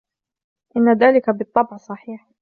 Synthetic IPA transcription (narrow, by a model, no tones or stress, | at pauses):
ʔɪnːaðaːlɪkabɨt̪ˤːɑbʕsˤɑħiːħ